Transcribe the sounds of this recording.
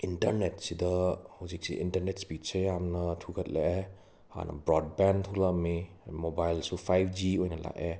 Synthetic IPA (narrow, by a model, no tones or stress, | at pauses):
intɐɾnetsidɐhuzik̚siʔintɐɾnet̚spit̚sejamnɐtʰuɡɐt̚leʔe | ha̰nɐ̰bɾɔd̚bɛntʰulami | mobajlsupʰajp̚ʰd͡ʒiojnɐla̰ʔe